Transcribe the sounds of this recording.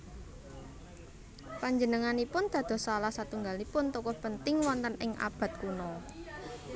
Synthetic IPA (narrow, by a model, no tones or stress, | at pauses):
paɲd͡ʒənəŋanipʊnd̪̥ä̤d̪̥ɔ̤hsalahsat̪uŋɡalnipʊnt̪ukʊpənt̪ɪŋwɔnt̪ənɪ̰ŋʔa̰b̥ä̤t̪̚kunɔ